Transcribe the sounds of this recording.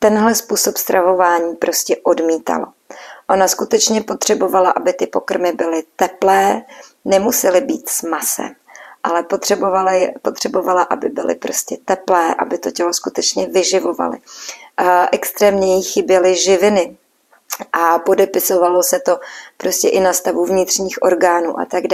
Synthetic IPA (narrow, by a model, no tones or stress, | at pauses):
t̪ɛnɦlɛspuːso̞pst̪ɾʔavo̞vaːɲiːpɾʔo̞scɛʔo̞dmiːt̪a̰lo̰ | ʔo̞naskut̪ɛt͡ʃɲɛpo̞t̪r̝̥ɛbo̞valaʔabɪt̪ɪpokr̩mɪbɪlɪt̪ɛplɛː | nɛmusɛlɪbiːt̪smasɛ̰m | ʔalɛpot̪r̥ɛbovaljpo̞t̪r̥ɛbo̞valaʔabɪbɪ̰lɪ̰pɾo̞scɛt̪ɛplɛːʔa̰bɪt̪o̞cɛlo̞skut̪ɛt͡ʃɲɛvɪʒɪvo̞va̰lɪ̰ | ʔɛkst̪ɾɛːmɲɛjixɪbjɛlɪʒɪvɪnɪ | ʔapo̞dɛpɪso̞valo̞sɛt̪o̞pɾo̞scɛʔɪnast̪avuvɲɪt̪r̥ɲiːxʔo̞ɾɡaːnṵːʔa̰t̪aɡa